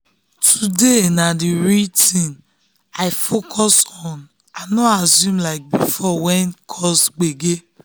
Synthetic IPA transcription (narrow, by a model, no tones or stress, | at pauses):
tʰudenadiɾitĩn | aɪfokʰɔsɔ̃n | anɔazjũmlaɪk̚bifɔwɛnkʰɔsɡ͡beɡe